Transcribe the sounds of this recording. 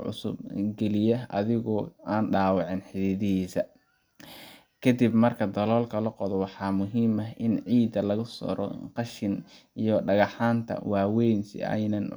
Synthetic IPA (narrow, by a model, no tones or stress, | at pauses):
ʕʊ̰sʊ̰bɡɛlɪjɐʔɐ̰ðɪɣʊʔaːnɖaːwɑʕɪnħɪðiːðɪhiːsɐ | kʰɐd̪ibmɐrkʰɐd̪ɐlɔːlkʰɐlɐqɔðɔwɑħɑːmʊɦiːmɐɦʔɪnʕiːd̪ɐlɐɣʊsɔ̰ɾɔ̰qɑʃɪn | ijɔɖɐɣɑħaːnt̪ʰɐ̰wɑːwɛjnsɪ̰ɛ̰jnɐn